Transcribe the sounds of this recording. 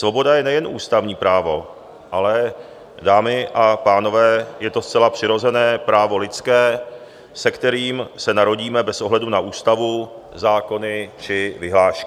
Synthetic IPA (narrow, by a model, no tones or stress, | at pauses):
svo̞bo̞dajɛnɛjɛnʔṵːst̪avɲiːpɾaːvo̞ | ʔalɛ | daːmɪʔapaːno̞vɛːjɛt̪o̞st͡sɛlapr̝̥ɪɾo̞zɛnɛːpɾaːvo̞lɪt͡skɛː | sɛkt̪ɛɾiːmsɛnaɾo̞ɟiːmɛbɛsʔo̞ɦlɛdunaʔuːst̪avu | zaːko̞nɪt͡ʃɪvɪɦlaːʃkɪ